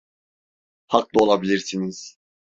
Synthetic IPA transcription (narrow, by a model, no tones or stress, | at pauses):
haklˠɯo̞lˠabilʲiɾsiniz̥